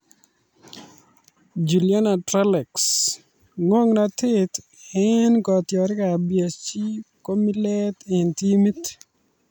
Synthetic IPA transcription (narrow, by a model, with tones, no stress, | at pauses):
d͡ʒu˨lja˦na˨tɾa˦lɛ˨ks | ŋwo˦ŋnatɪt̪ | ɛnkɔ˨t̪jɔ˨ɾɪ˦ka˨bja˨t͡ʃi˦ko˦mi˦lɛ˦t̪ɪnti˦mi˦t